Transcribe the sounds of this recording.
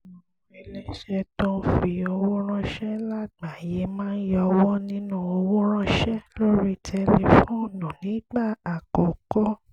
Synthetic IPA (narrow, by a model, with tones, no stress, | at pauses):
e˧˦le˦ʃɛ˧tɔ̃˦fi˧o˧wo˦ɾ̃ã˦ʃɛ˦la˦ɡ͡ba˨je˨˦mãː˦jɔ˧wɔ˦nĩ˦nũ˦˨o˧wo˦ɾ̃ã˦ʃɛ˦lo˦ɾi˦˨tʰɛ˧˦li˧fũ˦˨nũ˨nĩ˨˦ɡ͡ba˦˨a˨kɔ˨kɔ˦